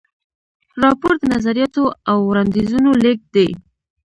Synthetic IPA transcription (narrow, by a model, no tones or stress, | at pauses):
ɾɑpoɾd̪ənazaɾijɑt̪oawɾand̪izunolek̚d̪e